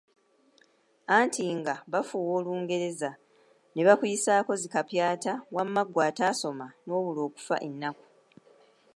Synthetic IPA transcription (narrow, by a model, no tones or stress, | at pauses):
antʰiŋɡaβafuːwo̞ːluːŋɡe̞ɾe̞za | ne̞βakujisaːko̞zikapjaːtawamːaɡwaːtaːso̞mano̞ːβulo̞ːku̥fa̰ʔenːaku̥